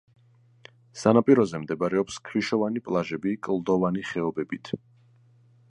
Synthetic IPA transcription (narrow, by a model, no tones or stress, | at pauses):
sanapʼiɾɔzɛmd̪ɛbaɾɛɔpskʰɾiʃɔvanipʼlˠaʒɛbikʼlˠd̪ɔvaniχɛɔbɛbit̪ʰ